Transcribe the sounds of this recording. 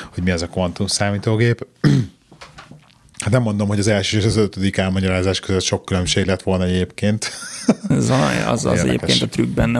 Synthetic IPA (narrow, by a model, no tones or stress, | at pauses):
ho̞ɟmiɛzɒkʋɔnt̪umsaːmiːt̪oːɡeːp | hat̪nɛmːo̞nd̪o̞mhoɟɒzɛlʃøːʃɒzøt̪ød̪ikɛlmɒɟɒɾaːzaːʃkøzøt̪ʃo̞kːylømʃeːɡlɛt̪ʋo̞lnɒɛɟeːpkeːnt̪ | zɒlɔ̰jɒ̰zɒ̰ɛ̰ɟ̪ḛːkɛkḛːnɒt̪ryɡ̚bɛnːɛ